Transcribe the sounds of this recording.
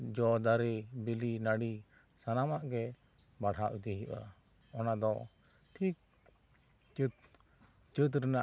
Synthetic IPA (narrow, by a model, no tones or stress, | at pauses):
d͡ʒɔd̪aɾibilinaɽi | sanamaʔɡɛ | baɽhaʔid̪ɛɦiʔa̰ | ɔnad̪ɔ | ʈʰik̚ | t͡ʃt̪ | t͡ʃət̪̬ɾɛnaʔ